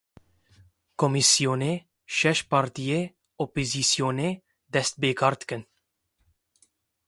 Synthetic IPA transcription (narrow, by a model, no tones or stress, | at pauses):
komisijoːne | ʃɛʃpaɾt̪ije | opizisjoːne | d̪ɛst̪̚beːkʰɑːɾt̪kɨn